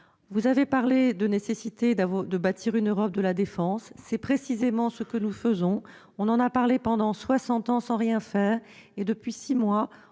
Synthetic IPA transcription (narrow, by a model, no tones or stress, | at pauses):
vuzavepaʁled̪ənesesit̪ed̪avd̪əbat̪ʰiʁynøʁɔp̚d̪əlad̪efɑ̃sːɛpχesizemɑ̃səkənufəzɔ̃ | ɔ̃nɑ̃napaʁlepɑ̃d̪ɑ̃swasɑ̃t̪ɑ̃sɑ̃ʁjɛ̃fɛːʁ | ed̪əpɥisimwa